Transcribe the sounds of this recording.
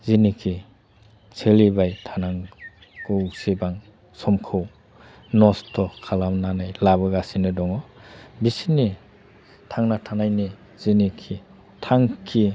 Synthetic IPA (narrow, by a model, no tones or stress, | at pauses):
zinikʰi | sʰelibajtʰanaŋ | ɡɯusibaŋ | sɔmkʰɯw | nɔstʰɔkʰalamnanajlaβɯɡasinɯdɔŋɔbisini | tʰaŋnatʰanajni | zinikʰi | tʰaŋkʰi